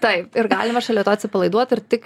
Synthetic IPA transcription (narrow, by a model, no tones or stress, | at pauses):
t̪ɐɪpɪɾɡɑːlʲɪmɐʃɐlʲiɛt̪oːɐt̪ʲsʲɪpɐlˠɐɪd̪uɔt̪ɪɾt̪ʲɪk